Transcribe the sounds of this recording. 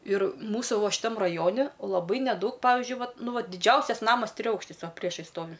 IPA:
ɪr ˈmuːsuː ˈʋoː ʃʲɪˈtɐm rɐˈjoːnʲɪ lˠɐˈbɐɪ nʲɛˈdɐʊk ˈpɑːʋʲɪʒʲʊɪ ˈʋɐt ˈnʊ ˈʋɐt dʲɪˈd͡ʒʲɛʊsʲɛs ˈnɑːmɐs tʲrʲɪˈɐʊkʃʲtʲɪs ˈʋɐ ˈpʲrʲiɛʃɐɪs ˈstoːʋʲɪ

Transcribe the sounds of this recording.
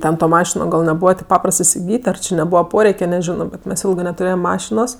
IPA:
ˈtʲɛn toː ˈmɑːʃʲɪnoː ɡɐlˠ nʲɛˈbuːʋɐ tʲeːp ˈpɑːprɐst ɪsʲɪˈɡʲiːtʲ ɐr t͡ʃʲɪ nʲɛˈbuːʋɐ ˈpoːrʲɛɪkʲɛ nʲɛˈʒʲɪnoː bʲɛt ˈmʲɛs ˈɪlˠɡɜ nʲɛtʊˈrʲeːjɛm ˈmɑːʃʲɪnoːs

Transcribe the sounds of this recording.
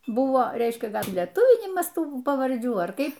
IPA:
ˈbʊʋoː ˈrʲɛɪʃʲkʲɛ ˈɡɐlʲ lʲiɛˈtʊʋʲɪnʲɪmɐs ˈtuː pɐʋɐrʲˈd͡ʒʲuː ɐr ˈkɐɪp

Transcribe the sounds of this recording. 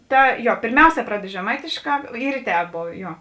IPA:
ˈtɐ ˈjoː pʲeːrʲˈmʲɛʊˌsʲɛː ˈprɑːdʲɛt ʒʲɛˈmɐɪtʲeːʃˌkɑː ˈiːr ɪ tʲɛːp ˈboːʋʲeː ˈjoː

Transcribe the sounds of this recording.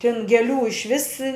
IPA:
tʲɪn ɡʲɛˈlʲuː ɪʃʲˈʋʲɪs

